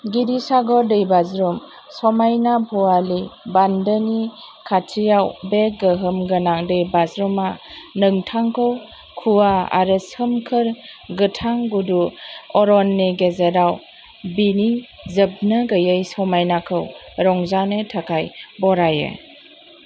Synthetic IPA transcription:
ɡiɾisaɡɔɾdɯjbazɾɔm | sɔmajnabʰɔalibandənikʰatʰijawbeɡəɦɯmɡɯnaŋdɯjbazɾumanɯŋtʰaŋkʰɯw | kʰuaa̰ɾɯsɯmkʰɯɾɡɯtʰaŋɡuduɔɾɔnːeɡezəɾaw | bini | zɯb̚nɯɡəjəjsɔmajnakʰɯwɾɔŋzanɯtʰakʰajbɔɾajɯ̰

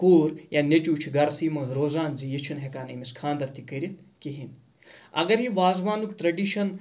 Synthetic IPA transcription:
kuːɾjaːnʲet͡ʃuːt͡ʃʰiɡɐɾsiːmɐːzɾoːzaːnzijit͡ʃʰinɦekaːnɐmiskʰaːnd̪ɐɾt̪ʰikɐɾit̪ | kiɦin | ɐ̰ɡɐɾɦiʋaːzʋaːnukʈɾɐɖiʃɐn

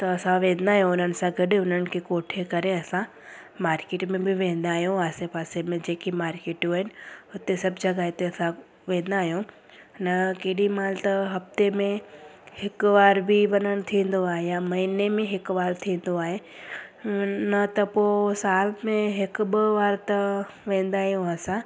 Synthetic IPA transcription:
t̪ɐɐsãʋẽːnd̪aːɦijũʊn̤ənɪ̆sãɡɐɗɪʊn̤ənɪ̆kʰekoːʈʰekɐɾeɐsã | maːɾkeːʈmẽbɪʋẽːn̆d̪aːɦjũaːsepaːsemẽd͡ʑeːkimaːɾkeːʈjũaːɦɪnɪ̆ʊt̪esɐbd͡ʑɐɡaːt̪eɐsã | ʋẽːnd̪aːɦjũ | nɐkeːɗimaːlt̪ɐɦɐft̪emẽhɪkʋaːɾbɪʋɐnəɽ̃t̪ʰĩːn̆d̪oaːɦejamɐɦinemẽɦɪkʋaːɾt̪ʰĩːn̆d̪oaːɦe | nɐt̪ɐpoːsaːlmẽɦɪkʊbɪʋaːɾt̪ɐ | ʋẽːn̆d̪aːɦijũasã

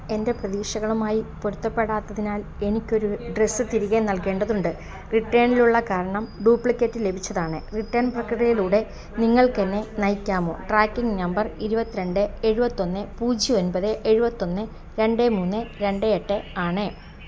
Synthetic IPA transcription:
e̞nde̞prɐðiːɕɐɣɐɭumaːjipoɾut̪ːɐpːe̞ɽaːt̪ːɐðinaːle̞nikʲːo̞ɾuɖresːɨt̪iɾiɣenɐlke̞ːɳɖɐðuɳɖɨ | riʈːeːɳiluɭːɐkaːɾɐɳɐmɖuːpɭikʲːetːile̞bʱit͡ɕːɐðaːɳɨriʈːɐːɳprɐkriɽɐjiluːɽe̞ | niŋːɐɭkenːenɐjkʲːaːmo̞̰ːʈraːkːiŋɡnɐmbɐriɾubɐt̪ːiɾe̞ɳɖɨeɻubɐt̪ːo̞nːɨpuːd͡ʑionbɐðɨʔeɻubɐt̪ːo̞nːɨ | ɾe̞ɳɖemuːnːɨɾe̞ɳɖeeʈːeaːɳɨ

